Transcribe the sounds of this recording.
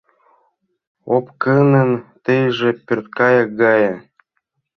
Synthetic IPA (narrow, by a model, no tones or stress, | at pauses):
opkənə̆nt̪ejʒĕpʲørt̪̚kɑjɑk̚ɡɑjɤ